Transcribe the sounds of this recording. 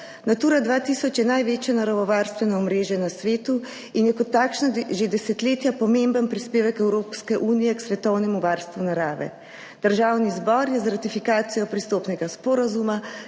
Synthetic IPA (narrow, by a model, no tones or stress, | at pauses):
nat̪uːɾad̪ʋaːt̪iːsɔt͡ʃjɛnajʋeːt͡ʃjanaɾaʋɔʋaːɾst̪ʋɛnɔɔmɾeːʒjɛnasʋeːt̪u | injɛkɔt̪ːaːkʃnaʒed̪ɛsɛt̪leːt̪japɔmembənpɾispeːʋɛkɛwɾoːpskɛʔuːnijɛksʋɛt̪ɔwnɛmuʋaːɾst̪ʋunaɾaːʋɛ̰ | d̪̥əɾʒawnizbɔɾjɛzaɾat̪ifikaːt̪sijɔpɾist̪oːpnɛɡaspɔɾazuma